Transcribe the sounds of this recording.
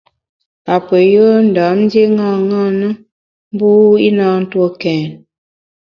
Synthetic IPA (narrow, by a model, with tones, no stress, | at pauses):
a˨pə˨jə˦n̩˨da˨˦mn˦dje˦ŋa˦˨ŋa˦˨nə˦ | m˦bu˦i˦na˦n̩˦two˦˨kɛː˨n